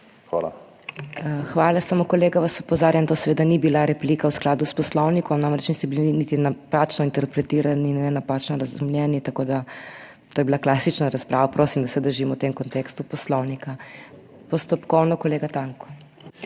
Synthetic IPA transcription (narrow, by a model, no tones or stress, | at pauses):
xʋa̰la̰ | xʋaːlasamokɔleːɡaʋasɔ̥pɔzaːɾjamt̪oːsɛʋeːd̪anibilaɾɛpliːkawsklaːd̪uspɔslɔwnikʰɔmnaːmɾɛt͡ʃnisɛbiliinit̪inapaːt͡ʃnɔint̪ɛɾpɾɛt̪iːɾaniːnːɛnapat͡ʃnɔɾɐzumljɛnit̪ɐkoːd̪a | t̪oːjɛbilaklaːsit͡ʃnaɾaspɾaːʋapɾʔoːsimd̪ɐsɛd̪əɾʒimɔwt̪emkɔnt̪ekst̪upɔslɔwnika | pɔst̪ɔpkɔwnɔkɔleːɡat̪aŋkɔ̥